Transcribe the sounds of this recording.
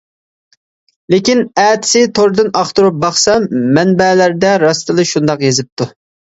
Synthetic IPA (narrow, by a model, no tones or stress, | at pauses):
lekʲinɛːt̪ʰɪ̥sɪt̪ʰoɾd̪ɨnɑχt̪uɾup̚bɑχsɛmːɛnbɛlæɾd̪ɛɾɑst̪ɨlˠɨʃund̪ɑqjezɪp̚t̪ʰu